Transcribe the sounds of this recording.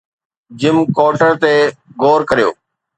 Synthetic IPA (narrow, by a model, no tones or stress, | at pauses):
d͡ʑɪmkoːʈəɾt̪eɡoːɾkɐɾijo̰ː